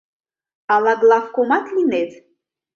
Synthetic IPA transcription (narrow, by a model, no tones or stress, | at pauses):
alˠaɡlˠafkomat̪ʰlinet